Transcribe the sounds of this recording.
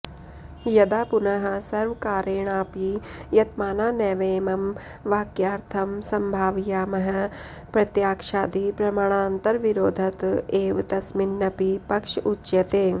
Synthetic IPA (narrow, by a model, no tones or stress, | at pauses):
jɐd̪aːpunɐɦɐ̆sɐɾʋkaːɾeːɳ̃aːpijɐt̪maːnaːnɛːʋeːmɐm | ʋaːkjaːɾt̪ʰɐmsɐmbʱaːʋjaːmɐɦɐ̆ | pɾɐt̪jaːkʂaːd̪ipɾɐmaːɳ̃aːnt̪ɐɾʋiɾoːd̪ʱɐt̪eːʋt̪ɐsminːɐpipɐkʂutːʃjɐt̪eː